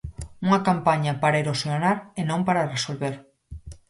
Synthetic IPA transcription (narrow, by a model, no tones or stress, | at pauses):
uŋakampaɲapaɾaeɾosjonaɾenõmpaɾaresolβeɾ